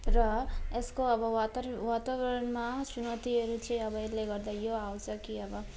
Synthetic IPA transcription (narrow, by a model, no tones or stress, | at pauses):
rʌeskoʌbʌwat̪awat̪abɾʌɾʌnmasunʌt̪iʌɾut͡sʰʌj̃ʌbʌiɾleɡʌrd̪ajoawt͡sʰʌkiʌbʌ